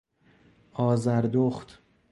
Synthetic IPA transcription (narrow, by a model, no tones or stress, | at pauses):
ʔɒːzæɾd̪oχt̪